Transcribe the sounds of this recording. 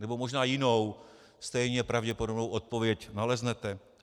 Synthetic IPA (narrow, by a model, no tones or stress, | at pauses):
nɛbo̞mo̞ʒnaːjɪno̞w | st̪ɛjɲɛpɾavɟɛpodobnowʔot̪̚po̞vjɛcnalɛznɛt̪ɛ